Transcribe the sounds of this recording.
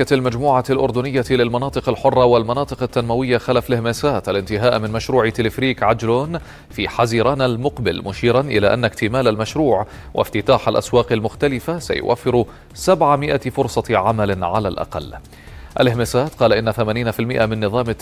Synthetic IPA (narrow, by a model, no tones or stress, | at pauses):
almad͡ʒmuːʕalʔʊɾd̪ʊnɪjːalɪlmɑnɑːt̪ˤɨqalħʊrˤːɑwalmɑnɑːt̪ˤɨqat̪ːanmawɪjːaxalafalʔɪhmɪsaːt̪ʔalʔɪnt̪ɪɦaːʔmɪnmaʃɾuːʕɪt̪ɪlɪfɾiːkʕad͡ʒloːn | fiːħaziːɾɑːnalmʊqbɪ̰lmʊʃiːɾanʔɪ̰la̰ːʔanːakt̪ɪmaːlalmaʃɾuːʕ | wʔa̰ft̪ɪt̪aːħalʔa̰swɑːqalmʊxt̪alɪfasa̰jʊ̰wʔa̰fːɪɾ | sabʕamɪʔafʊɾsˤɑʕamalɪʕalaːlʔɑ̰qɑ̰lː | ʔalʔɪhmɪsaːt̪̚qɑːlaʔɪnːaθamaːniːnafɪlmɪʔamɪnːɨðˤɑːmɪ